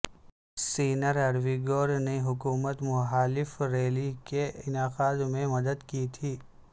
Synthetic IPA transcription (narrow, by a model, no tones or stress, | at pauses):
siːnəɾɐɾʋiːɡoːɾneɦʊkuːmət̪mʊxaːlɪfɾeːlikeɪnaːqaːd̪mẽmɐd̪əd̪kit̪ʰiː